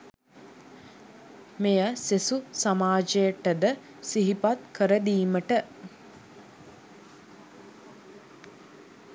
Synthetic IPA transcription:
mejəsesusamaːd͡ʒəjəʈəd̪ə | siɦipat̪kʰəɾəd̪iːməʈə

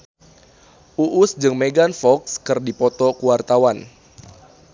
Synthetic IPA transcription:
ʔuʔʊsd͡ʒɨŋmeɡanfɔkskɨrdipɔt̪ɔkuwart̪awan

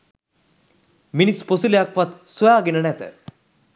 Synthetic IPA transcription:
minisposilejakʋat̪sojaːɡenənɛt̪ə̰

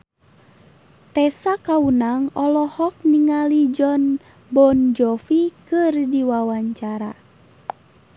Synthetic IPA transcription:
t̪ɛsakaunaŋɔlɔhɔk̚niŋalid͡ʒɔn | bɔnd͡ʒɔfikɨrdiwawaɲt͡ʃaɾa̰

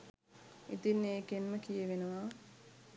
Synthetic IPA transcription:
ḭt̪inːeːkenməkijeʋenəʋa

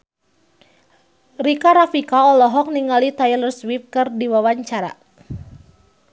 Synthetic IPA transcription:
rikaɾafikaɔlɔɦɔk̚niŋalit̪ajlərswip̚kɨrdiwawaɲt͡ʃaɾa̰

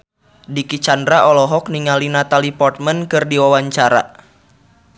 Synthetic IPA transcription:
dikit͡ʃandɾaʔɔlɔɦɔk̚niŋalinat̪alipɔrt̪̚mənkɨrdiwawaɲt͡ʃaɾa̰

